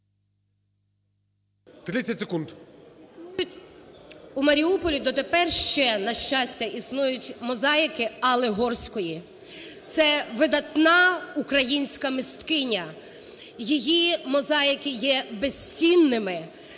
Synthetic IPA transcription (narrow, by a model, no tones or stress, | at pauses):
t̪ɾʲɪːɐtʲsekund̪ | jʊ | umɐɾʲiupɔlʲid̪ɔt̪epɛrʃt͡ʃɛnɐʃt͡ʃɑsʲtʲɐisnujʊtʲmɔzɑjɪkɪɐlˠeɦɔrsʲkɔji | t̪sɛʋɪd̪ɐt̪nɑukɾɐjinʲsʲkɐmɪst̪kɪnʲɐ | jijimɔzɑjɪkɪjɛbesʲt͡sʲinːɪmɪ